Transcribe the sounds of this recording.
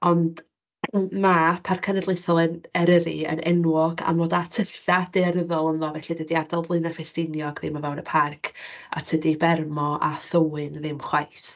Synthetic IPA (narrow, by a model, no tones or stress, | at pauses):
ɔnd | mapʰarkʰənɛdlˠejθɔlˠənɛɾəɾiə̰nɛnwɔɡa̰noːdatʰəɬad̥eɛɾəðɔlˠənðɔvɛɬidədiadalˠvlˠɨnafɛstɪnjɔɡvɪmavɛwnəpʰarkʰa̰tʰədibɛrmɔʔa̰θəwɨnðɪmχwajθ